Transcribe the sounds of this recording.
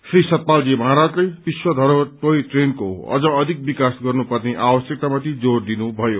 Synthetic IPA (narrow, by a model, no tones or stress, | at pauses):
srisʌt̪̚pald͡zimʌaɦaɾad͡zlejbiswʌd̪ʱʌɾʌt̪ojʈrenko̰ʌ̰d͡zʌ̃ːd̪ʱik̚bikasɡʌrnupʌrneʔabʌsjek̚t̪amat̪ʰid͡zord̪inubʱʌjo